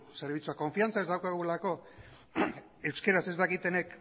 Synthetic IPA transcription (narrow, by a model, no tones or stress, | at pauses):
se̞ɾβ̞it͡suako̞ɱfiant͡saezd̪awkaɣulako̞ | e̞wske̞ɾase̞zd̪akit̪e̞ne̞k